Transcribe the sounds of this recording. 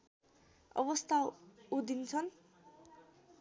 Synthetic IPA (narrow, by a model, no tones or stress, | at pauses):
ʌ̰bʌst̪ʰaud̪int͡sʰʌn